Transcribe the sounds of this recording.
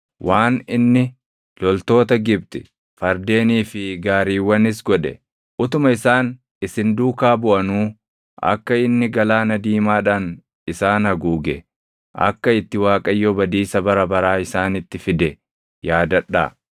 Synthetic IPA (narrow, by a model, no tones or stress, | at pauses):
wʔaːnɪnːɪ | lɔlt̪o̞ːt̪ɐɡɪb̚t̪ɪ̥ | fɐɾd̪e̞ːniːfɪɡaːɾiːwːɐnɪs̬ɡɔᶑɛ̰ | ʔʊt̪ʊmɐɪsaːn | ɪsɪnd̪uːkaːbʊʔɐnuː | ɐ̰kːɐɪnːɪɡɐlaːnɐd̪iːmaːᶑɐn | ɪsaːnɐɡuːɡɛ | ʔɐ̰kːɐɪt̪ːɪwaːkʼɐjːɔbɐd̪iːsɐbɐɾɐbɐɾaːɪsaːnɪt̪ːɪfɪd̪ɛ | jaːd̪ɐᶑa̰ː